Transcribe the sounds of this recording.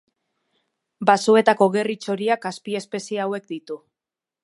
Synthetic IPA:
basue̞t̪ako̞ɣe̞rit͡ʃo̞ɾiakaspie̞spe̞siawe̞kd̪it̪u

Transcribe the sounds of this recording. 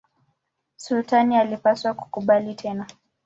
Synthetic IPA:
sulutanialipaswaku̥kuɓalitʰɛna

